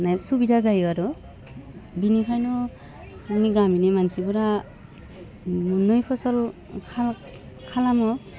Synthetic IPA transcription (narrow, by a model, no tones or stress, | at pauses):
najsubidʱazajaɾɔ | binikʰajnɔ | saɡniɡaminimansibuɾa | munujpʰɔsɔl | kʰa | kʰalamɔ